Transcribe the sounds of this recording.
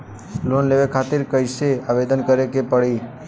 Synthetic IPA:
lonleʋekʰat̪iɾkəjseaʋed̪ənkəɾekepəɽi

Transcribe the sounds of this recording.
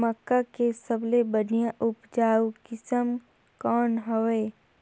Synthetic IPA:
məkːakesəblebən̤ijãʔʊpd͡ʒaːukɪsəm | kɔːnɦoeː

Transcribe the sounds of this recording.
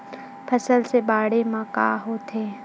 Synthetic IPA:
pʰɐsəlsebaːɽemãka̰ːɦot̪eː

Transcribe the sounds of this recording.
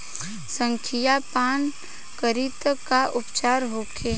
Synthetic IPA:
sə̃ŋkʰijapaːn | kəɾit̪kaʔʊpt͡ʃaːɾɦoːkʰeː

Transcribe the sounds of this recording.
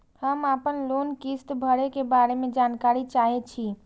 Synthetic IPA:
həmapənlonkist̪bʱəɽekebaɾemẽd͡ʒankaɾit͡ʃaɦet͡ʃʰi

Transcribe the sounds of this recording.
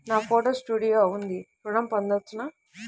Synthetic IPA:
naːpʰoːʈoːsʈuːɽijoːund̪ipɾuɽɐmpɐnd̪ɐt͡ʃːunaː

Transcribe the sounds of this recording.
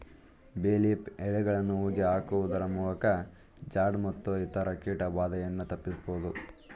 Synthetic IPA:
beːlipɛɭɛɡɐɭɐnːuuːɡiɦaːkuʋud̪ɐɾɐmuːlɐkɐ | d͡ʒaːɖmɐt̪ːuit̪ɐɾɐkiːʈɐʋaːd̪ɐjɐnːut̪ɐpːisboːd̪u

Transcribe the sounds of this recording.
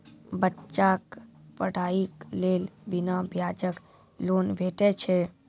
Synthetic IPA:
bətːt͡ʃʃakpəɽ̤aiklelbinabʱjad͡ʒək | lonbʱeʈɛt͡ʃʰɛ

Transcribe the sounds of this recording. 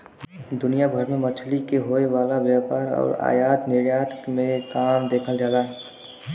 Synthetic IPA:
d̪ʊnijabʱəɾmẽmət͡ʃʰlikeɦoːeʋaːlaʋjaːpaːɾɔ̰ːɾa̰ːjaːt̪nɪɾjaːt̪mẽkaːmd̪eːkʰəld͡ʒaːlaɦɛ

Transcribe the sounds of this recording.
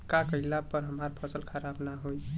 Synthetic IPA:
kakəilapəɾɦəmaɾpʰəsəlkʰəɾabnaɦoj

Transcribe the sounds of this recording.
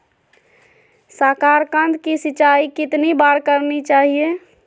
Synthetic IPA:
sakaɾkãnd̪kisɪt͡ʃaikɪt̪nibaɾkəɾnit͡ʃaːɦie

